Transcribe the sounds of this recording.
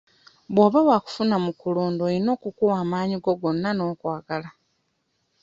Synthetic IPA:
βwoːβawaku̥funamukuloːndoino̞ːkukuwaːmaːɲiɡo̞ɡo̞nːano̞ːkwaːɡala

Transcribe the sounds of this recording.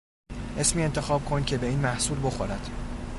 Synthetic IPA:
ʔe̞smiːe̞nt̪ʰe̞xɒːb̥̚kʰo̞ncʰebe̞iːnmæhsuːlbo̞xoɾæd̪̥

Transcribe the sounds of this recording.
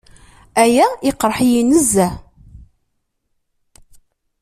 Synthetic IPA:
æjæɪqɾˤħijinəzːæ

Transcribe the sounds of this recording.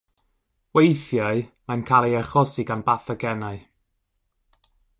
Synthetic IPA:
wejθjaɨmajnkʰalˠejɛχɔsiɡanbaθəɡɛnaɨ

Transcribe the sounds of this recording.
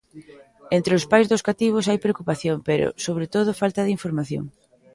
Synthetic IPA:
ent̪ɾɪʊspajzðʊskat̪iβ̞ʊsajpɾeokupaθjoŋpeɾo̰soβ̞ɾet̪oð̞ʊfalt̪ɐðɪiɱfoɾmaθjo̰ŋ

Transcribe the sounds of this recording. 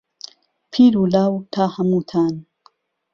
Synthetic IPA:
pʰiːɾulaːwt̪ʰaːhamut̪ʰaːn

